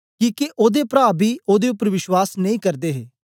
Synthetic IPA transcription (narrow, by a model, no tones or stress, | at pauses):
kiːkeʔoːd̪eːpɾaːbiːoːd̪eːʊpəɾʋɪʃwaːsnəĩːkəɾd̪eːɦeː